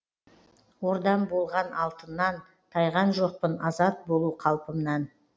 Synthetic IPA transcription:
wo̞ɾd̪ɑmbo̞lˠʁɑnɑlˠt̪ənːɑn | t̪ʰɑjʁɑnʒo̞q̚pənɑzɑt̪̚bo̞lˠuqʰɑlˠpəmnɑn

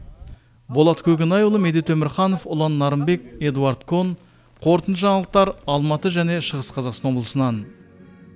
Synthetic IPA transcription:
bolˠɑt̪kʲʰɵɡʲɪnɑjulˠəmed̪et̪ʰɵmɪɾχɑno̞fʊlˠɑnːɑɾəmbe̞kʲe̞d̪uaɾd̪kʰo̞n | qʰo̞ɾt̪ənt̪ʒɑɴlˠəq̚t̪ɑɾɑlˠmɑt̪əʒæne̞ʃəʁəsqʰɑzɑqsɑnwo̞blˠəsənɑn

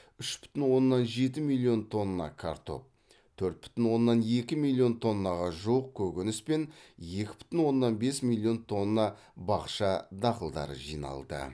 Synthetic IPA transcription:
ʏʃbʏ̥t̪ɪnwo̞nːɑnʒe̞t̪ɪmilʲˠːio̞nt̪ʰo̞nːɑ̰kʰa̰ɾt̪ʰo̞̰p̚ | t̪ʰɵɾt̪̚bʏ̥t̪ɪnwo̞nːɑne̞kʲɪmilʲˠːijo̞nt̪ʰo̞nːɑʁɑʒuwəq̚kʲʰɵkʲenɪspe̞nje̞kʲɪ̥bʏ̥t̪ɪnwo̞nːɑnbesmʲilʲˠːijo̞nt̪ʰo̞nːɑ | bɑqʃɑd̪ɑqəlˠd̪ɑ̰ɾə̰ʒijnɑ̰lˠd̪ə̰

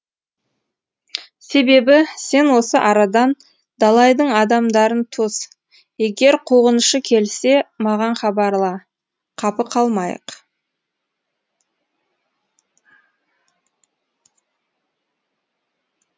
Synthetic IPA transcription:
se̞be̞bɪse̞nwo̞səʔɑɾɑd̪ɑn | d̪̥ɑlˠɑjd̪əɴɑd̪ɑmd̪ɑɾənt̪ʰos | je̞ɡʲe̞ɾqʰoʁənəʃəkʲʰe̞lse̞mɑʁɑnχɑbɑɾlˠɑ | qʰɑpəqʰɑlˠmɑjə̰q

